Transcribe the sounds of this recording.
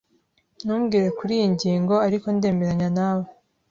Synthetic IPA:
nuːmɡiːɾe̞kuɾiːjiɲɟiːŋɡo̞aɾiko̞nde̞ːme̞ɾaɲanaːβo

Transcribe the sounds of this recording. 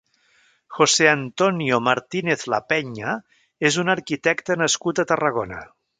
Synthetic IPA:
xoseənt̪oniomaɾt̪ineθlapɛɲə | ezunəɾkit̪ɛkt̪ənəskut̪ət̪ərəɣ̞onə

